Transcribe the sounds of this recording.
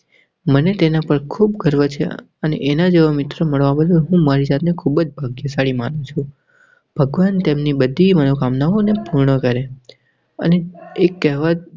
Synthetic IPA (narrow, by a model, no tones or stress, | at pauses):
mənet̪enapəɾkʰubɡʱəɾʋət͡ʃʰḛ | ənḛʔenad͡ʒeʋəmɪt̪ɾəməɭʋãbəd̪əlɦũmaɾizat̪nekʰubəd͡ʒbʱaɡjəsaɽimanũt͡ʃʰũ | b̥ʱəɡʋant̪emnibəd̪ʱimənokamnaʋonepuɾɳəkəɾe | ə̰neekːɛɦʋat̪̚